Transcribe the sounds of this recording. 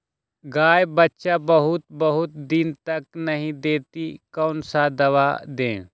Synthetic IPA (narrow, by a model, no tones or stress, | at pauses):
ɡaːjbɐtːʃabɐɦʊt̪̚bɐɦʊt̪̚d̪ɪnt̪ɐknɐɦĩd̪eːt̪ikɐːnsad̪ɐʋaːd̪ẽː